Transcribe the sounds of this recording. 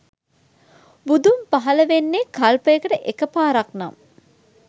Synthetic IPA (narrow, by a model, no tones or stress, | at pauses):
bud̪umpaɦɐləʋenːekalpəjekəʈəʔekəpaːɾɐkna̰m